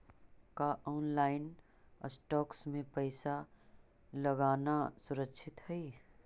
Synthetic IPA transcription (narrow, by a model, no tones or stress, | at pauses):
kaʔɔːnlaːɪn | ə̰sʈɔːksmẽpəɪsa | ləɡaːnasʊɾəkʃʰɪt̪hɛi